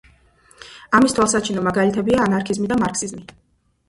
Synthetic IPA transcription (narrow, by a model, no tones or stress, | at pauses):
amist̪ʰwalˠsat͡ʃʰinɔmaɡalit̪ʰɛbiaːnaɾkʰizmid̪amaɾkʰsizmi